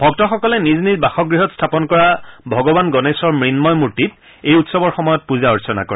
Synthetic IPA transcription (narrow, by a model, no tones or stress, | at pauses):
bʱɔk̚tɔxɔkɔlɛniznizbaxɔɡɹiɦɔtstʰapɔnkɔɹabʱɔɡɔbanɡɔnesɔɹmɹinmɔjmuɹtit̚ | ejutsɔbɔɹxɔmɔjɔt̚puzaɔɹsɔna̰kɔ̰ɹɛ